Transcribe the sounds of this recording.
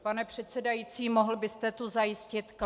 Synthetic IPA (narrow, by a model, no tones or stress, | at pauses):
panɛpr̝̥ɛt̪sɛdajiːt͡siːmoɦl̩bɪst̪ɛt̪uzajɪscɪt̪k